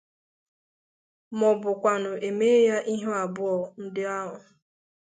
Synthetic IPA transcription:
mɔ˨bʊ˨kʷa˨nʊ˨e˨me˦ja˦ʔi˦ɦʊ˦a˨bʊ˦ɔ˨n̩˦dɪ˦a˦ɦʊ˨

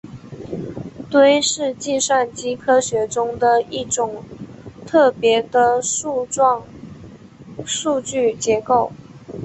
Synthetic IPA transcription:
t̪we˥ɪʂɻ̩˥˧t͡ɕi˥˧ʂwa˥˩nt͡ɕi˥kʰɤ˥ɕɥɛ˧˥ʈ͡ʂʊ˥ŋd̪ə˨i˥˩ʈ͡ʂʊ˨˩ŋt̪ʰɤ˥˩pjɛ˧˥d̪ə˧u˥˧˥ | ʂu˥˧t͡ɕy˥˩t͡ɕjɛ˧˥ko˥˩ʊ

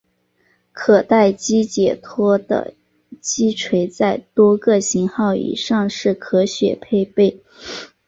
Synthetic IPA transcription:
kʰɤ˨˩t̪a˥˩ɪt͡ɕi˥t͡ɕjɛ˨˩t̪ʰwɔ˥d̪ə̰˧˩ | t͡ɕi˥ʈ͡ʂʰwe˧˥ɪt͡sa˥˩ɪt̪wɔ˥kɤ˥˧ɕi˧˥ŋxɑ˥˩ʊḭ˨˩ʂɑ˥˧ŋʂɻ̩˥˩kʰɤ˧˥ɕɥɛ̰˨˩pʰe˥˧ɪpe˥˩ɪ

